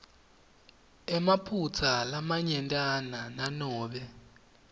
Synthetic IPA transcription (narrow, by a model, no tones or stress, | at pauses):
ɛmapʰut͡sʰalamaɲɛntʼanananɔːɓɛ